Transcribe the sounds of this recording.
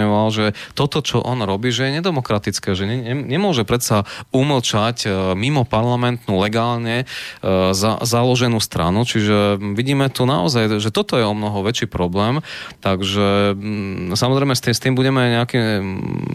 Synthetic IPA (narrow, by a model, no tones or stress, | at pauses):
ɛʋalʒɛt̪ɔt̪ɔt͡ʃɔʔɔnɾɔbiːʒɛjɛɲɛd̪ɛmɔkɾat̪it͡skɛːʒɛɲɛɛɲɛmʊɔʒɛpɾɛt̪sauml̩t͡ʃacmimɔpaɾlamɛnt̪nulɛɡaːlɲɛ | za̰zalɔʒɛnuːst̪ɾa̰nut͡ʃiʒɛʋiɟiːmɛt̪unaɔ̰zajʒɛt̪ɔt̪ɔjɛɔmnɔɦɔʋɛt͡ʃiːpɾɔblɛːmt̪aɡʒɛ | samɔzɾɛjmɛst̪ist̪iːmbuɟɛmɛɲɛaki